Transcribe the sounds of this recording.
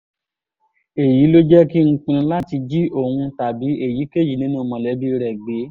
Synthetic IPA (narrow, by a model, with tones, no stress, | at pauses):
e˨ji˨˦lo˦d͡ʒɛ˦ki˦ŋ̩˦k͡pũ˧˦la˦ti˧d͡ʒi˦ʔo˦˨hũ˧ta˨bi˨˦e˦˨ji˨˦ke˦˨d͡ʒi˨nĩ˨˦nũ˦˨mɔ̃˨lɛ˨˦bi˦˧ɾɛ˨ɡ͡be˨˦